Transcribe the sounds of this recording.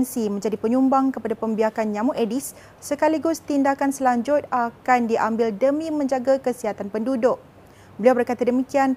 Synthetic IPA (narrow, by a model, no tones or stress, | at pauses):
nsimə̃ɲd͡ʒadipəɲumbaŋkəpadapəmbiakanɲãmuʔedisː | əkaliɡʊst̪indakansəlaɲd͡ʒʊt̪̚akandiʔambɪldəmĩmə̃ɲd͡ʒaɡakəsiɦat̪anpəndudʊk̚ | bəliawbərkat̪adəmikian